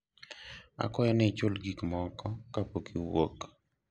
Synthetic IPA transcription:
a̰kɔjɔnɪt͡ʃʊlɡikmɔkɔkapokiwo̰k

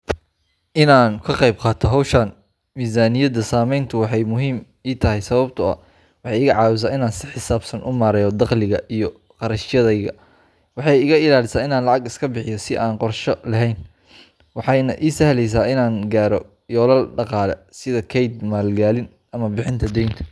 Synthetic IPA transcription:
ʔɪnaːnkʰɐqɑjb̚qɑːt̪ʰɔɦɐwʃɐn | miːzaːnɪjɐd̪ɐsaːmɛjnt̪ʰʊwɑħɑjmʊɦiːm | iːt̪ʰɐɦɛjsɐβɐbt̪ʰʊɐ̰ | wɑħɑjɪɣɐʕɑːwɪs̬aːɪnaːnsɪħɪsaːbsɐnʔʊmaːɾɛjɔd̪ɑqlɪɣɐʔijɔ | qɑɾɐʃɪjɐðɐjɣɐ̰ | wɑħɑjɪɣɐɪlaːlɪsaːɪnaːnlɑʕɑɡɪskʰɐbɪħɪjɔsɪʔaːnqɔrʃɔlɐɦɛjn | wɑħɑjnɐʔiːsɐhlɛjs̬aːɪnaːŋɡaːɾɔ | jɔːlɐlɖɑqɑːlɛ̰sɪðɐkʰɛjd̪maːlɡaːlɪn | ʔɐmɐbɪħɪnt̪ʰɐd̪ɛjnt̪ʰɐ̥

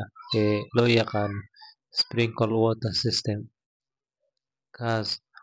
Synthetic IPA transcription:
elojaqal | spɾiŋkolwot̪asist̪em | kas

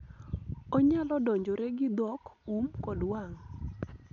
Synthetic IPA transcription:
oɲalɔdɔɲd͡ʒoɾɛɡɪd̪ɔkumkɔdwaŋ

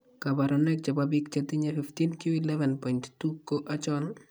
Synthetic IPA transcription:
kabaɾɔnɛk̚t͡ʃababik̚t͡ʃat̪iɲafift̪inkioilɛvɛnpɔinttukːoʔat͡ʃɔl

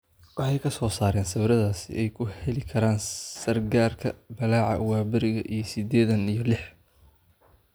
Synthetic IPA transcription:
wɑħɑjkʰɐsɔːsaːɾɛːnsɐβɾɐðaːsɪ̰ʔɛjkʰʊhɛlɪkʰɐɾaːnsɐrɡaːrkʰɐbɐlaːʕɑ̰waːbɪɾɪɣɐʔijɞsɪd̪ɛːðɐnijɞlɪħ

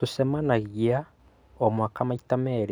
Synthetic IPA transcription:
usemanaɣia | omwakamaitameɾ

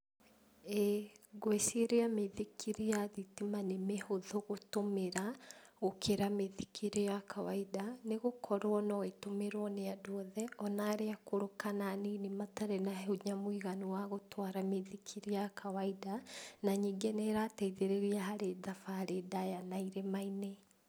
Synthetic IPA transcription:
ɛɡwesiɾeameðikʰiɾejaðitimanemehoðoɣotomeɾaɣokʰeɾameðikʰiɾejakawaidaneɣokʰɔɾwɔnɔetomeɾwɔneadwɔðɛɔnaːɾeakoɾokananinemataɾɛnaɦɛuɲamwiɣaniwaɣotʰwaɾameðikʰiɾejakʰawaidanaɲiːŋɡenɛɾaːtɛiðeɾeɾiaɦaɾeðafaɾedajanaiɾemaine

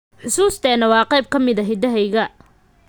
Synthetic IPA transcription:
ħʊsuːst̪ʰɛːnɐwɑːqejb̚kʰɐmɪðɐɦɪd̪ɐɦɛjɣɐ

